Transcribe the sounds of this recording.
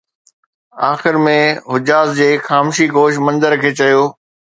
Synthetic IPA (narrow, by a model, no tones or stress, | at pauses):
aːxɪɾmẽɦʊd͡ʑaːzd͡ʑeːxaːmʃikoːʃ̬mɐ̃nzəɾkʰeːt͡ɕɐjoː